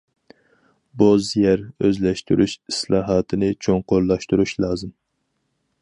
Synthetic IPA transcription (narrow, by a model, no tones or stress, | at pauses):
bozjɛɾøzlɛʃt̪y̰ɾʔyʃislˠɑːɦɑːt̪ʰɨnɪt͡ʃʰoŋqoɾlˠɑʃt̪uɾuʃlˠɑːzɨm